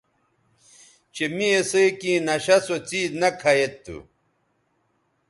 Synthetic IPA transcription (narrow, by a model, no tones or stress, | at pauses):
t͡ɕemiesekĩːnɐɕɐsot͡siːznɐkʰɐjet̪ːṵ